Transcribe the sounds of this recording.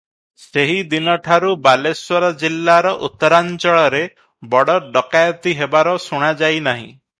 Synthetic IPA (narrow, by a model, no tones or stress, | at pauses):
seɦid̪inɔʈʰaɾubalesɔɾɔd͡ʒilːaɾɔʔut̪ːɔɾant͡ʃɔɭɔɾe | bɔɽɔɖɔkajɔt̪iɦebaɾɔsuɽ̃ad͡ʒajnaɦḭ̃